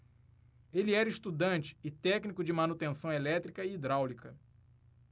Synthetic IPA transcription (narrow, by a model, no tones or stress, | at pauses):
eliɛɾɐiʃt̪ud̪ɐ̃nt͡ʃɪ̥ːt̪ɛknikʊd͡ʒɪmɐnut̪ẽsɐ̃w̃elɛt̪ɾikɐiːd̪ɾawlikɐ